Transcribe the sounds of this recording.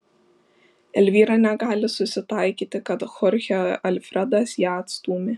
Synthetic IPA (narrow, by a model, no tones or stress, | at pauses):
ɛlʲʋʲiːɾɑnʲɛɡɑːlʲɪsʊsʲɪt̪ɐɪkʲiːt̪ʲɪkɐt̪xɔɾʲxʲoʔɐlʲfʲɾʲɛd̪ɑsjæːɐt̪st̪uːmʲɪ